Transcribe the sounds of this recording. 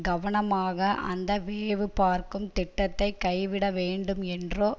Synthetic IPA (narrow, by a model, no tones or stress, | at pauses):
ɡɐʋɐɳɐmaːɣɐʔɐ̰nd̪ɐʋeːʋɯpaːɾkɯmt̪ɪʈːɐt̪ːɐɪkːɐɪʋɪɽɐʋeːɳɖɯmɛndroː